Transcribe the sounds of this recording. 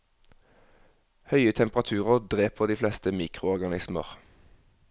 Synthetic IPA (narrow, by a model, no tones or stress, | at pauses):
hœʏət̪ʰɛmpʁɑt̪ʰʉːʁəʁd̪ʁeːpʰoːd̪iːflɛst̪əmiːkʁʊɔʁɡɑnɪsmə̰ʁ